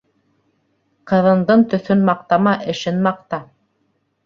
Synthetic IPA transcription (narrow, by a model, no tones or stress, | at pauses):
qɤ̆ðɤ̆nd̪ɤnt̪ɵ̆θɵnmɑq̚t̪ɑmɑʔɘ̆ʃɘnmɑq̚t̪ɑ